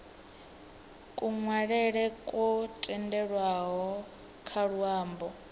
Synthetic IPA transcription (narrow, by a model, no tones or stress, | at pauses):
kʼuŋwaɺɛɺɛkʼɔtʼɛndɛɺwaɦɔ | kʰaɺuaːmbɔ